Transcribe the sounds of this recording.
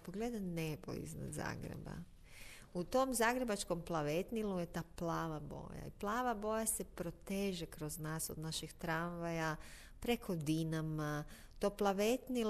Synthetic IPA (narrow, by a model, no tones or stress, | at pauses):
poɡled̪anebo̰ḭzna̰d̪za̰ːɡɾḛba̰ | ut̪o̞mzaːɡɾebat͡ʃko̞mplˠaʋet̪niluje̞t̪aːplaːʋabo̞̰ːja̰iplˠaːʋabo̞jase̞pɾo̞t̪eːʒekɾoznaːso̰d̪naʃixt̪ɾanʋaja | pɾe̞kʰod̪inama | t̪oːplˠaʋet̪nil